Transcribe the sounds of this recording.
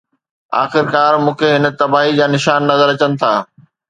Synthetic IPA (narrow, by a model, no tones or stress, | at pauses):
a̰ːxɪɾkaːɾmũːkʰeɦɪn̆t̪ɐbaːɦid͡ʑaːnɪʃaːnːɐzəɾɐt͡ɕənɪ̆t̪ʰaː